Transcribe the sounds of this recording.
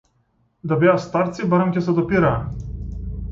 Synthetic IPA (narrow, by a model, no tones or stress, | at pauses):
d̪abɛast̪aɾt̪sibaɾamkʲɛsɛd̪ɔpiɾaː